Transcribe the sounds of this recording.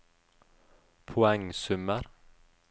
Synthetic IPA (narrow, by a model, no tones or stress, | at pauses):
pʰʊɛŋsʉməɾ